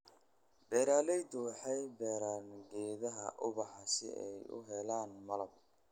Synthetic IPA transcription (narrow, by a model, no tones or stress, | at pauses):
bɛːɾaːlɛjd̪ʊħɛjbɛːɾaːnɡɛːðɐɦɐ̰ʔʊβɑħɑsɪ̰ʔɛ̰jʊ̰ɦɛlaːnmɐlɐb̚